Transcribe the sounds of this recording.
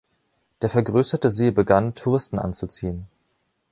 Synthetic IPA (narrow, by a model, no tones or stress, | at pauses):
d̥eːɐfɛɐɡʁøːsɐtəzeːbəɡantʰuʁ̞ɪstn̩ʔa̰nt͡sut͡siːən